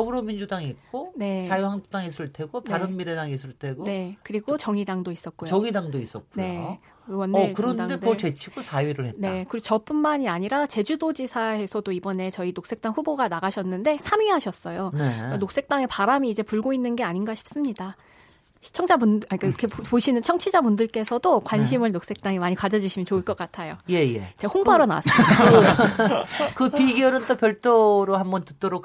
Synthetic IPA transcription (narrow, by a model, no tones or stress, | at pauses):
ʌbɯɾomind͡ʑudaŋik͈one̞sʰajohaŋdt͈aŋisʰuɭtʰe̞ɡonpaɾɯmmiɾedaŋisʰuɭtʰe̞ɡone̞kɯɾiɡot͡ɕʌŋidaŋdois͈ʌt̚k͈uoʌŋidaŋdois͈ʌt̚k͈unje̞o | wʌnkɯɾʌndekot͡ɕe̞t͡ɕʰiɡosʰajɥiɾɯɭhetnae̞kɯɾiot͡ɕʌp͈unmaɲiaɲiɾat͡ɕe̞d͡ʑudod͡ʑisʰaɦe̞sʰʌdoibʌne̞t͡ɕʌinok̚s͈e̞k̚t͈aŋɸuboɡanaɡaɕʰʌnːɯnde̞sʰamiɦaɕʰʌs͈ʌjonekanok̚s͈e̞k̚t͈aŋe̞paɾamiːd͡ʑe̞puɭɡoinːɯnɡe̞aɲinɡaɕʰi̥p̚s͈ɯmɲida | t͡ɕʰʌŋt͡ɕ͈ʰabunk͈akʰepoɕʰinɯnt͡ɕʰʌŋt͡ɕʰid͡ʑamundɯɭk͈e̞sʰʌdokwanɕʰimɯɭnok̚s͈ek̚t͈aŋemaɲikwad͡ʑʌd͡ʑiɕʰimjʌnt͡ɕoɯɭk͈ʌk͈atʰajoje̞jḛt͡ɕehoŋbaɾona̰wa̰s͈ɯsi | kɯpiɡjʌnɯnt͈opjʌɭt͈ʰoɾohambʌntɯt̚t͈oɾokʰ